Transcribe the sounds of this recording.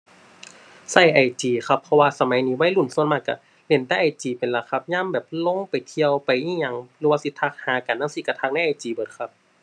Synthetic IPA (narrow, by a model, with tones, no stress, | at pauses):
sa˧˩jʔa˨˩jt͡ɕiː˨˩xʰa˧pʰːɔ˧waː˧sa˧ma˨˦jniː˧˩˦wa˧˥˨jlu˧˩˨nsu˧ənmaː˧˩k̚kːa̰˧˩ | le˧˩nt̪a˧˩˨ʔa˨˩jt͡ɕiː˨˩pe˨˩nla˧˩kʰa˧p̚ɲaː˧˥˨mbɛː˨˩p̚lo˧˥˨ŋpa˨˩jt̪ʰi˧əwpa˨jʔiː˧˥˨ɲa˧ŋɾɯː˧˦waː˧si˧˦t̪ʰːa˧˩k̚haː˨˦ka˨nːaː˧˥˨siː˧˩ka˧˩t̪ʰa˧k̚na˥˨ʔa˨˩jt͡ɕiː˨˩bɤː˨˩t̪̚kʰa˧p̚